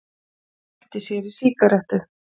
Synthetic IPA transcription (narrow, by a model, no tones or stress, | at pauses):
ɛt̪ɪsjɛɾi̥siːkaɾaht̪ʏ